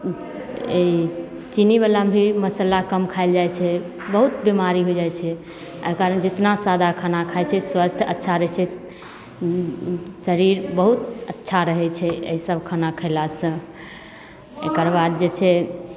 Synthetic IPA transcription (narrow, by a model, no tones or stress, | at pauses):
e | t͡ʃiniβalabʱiməsəlakəmkʰaeld͡ʒajt͡ʃʰɛ | bəɦut̪bimaɾiɦojd͡ʒajt͡ʃʰɛ | ə̰kaɾənd͡ʒet̪nasad̪ʱakʰanakʰajt͡ʃʰɛswast̪ʰətːʃʰaɾəɦt͡ʃʰɛ | səɾiɾbəɦut̪ətːʃʰaɾəɦɛt͡ʃʰɛḛisəbʱkʰanakʰəɪlasə̃ | ekəɾbad̪̚d͡ʒet͡ʃʰɛ